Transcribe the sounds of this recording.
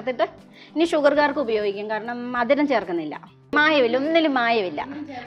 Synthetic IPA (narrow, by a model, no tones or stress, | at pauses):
t̪ːiʈːɨ | niːʂuɡɐrkaːrkɨubɐjo̞ːɡikʲːaːmkaːɾɐɳɐmɐd̪inɐmt͡ɕeːrkunːilːɐ̰ | maːjɐʋilːɐunːilumaːjɐʋilːɐ̰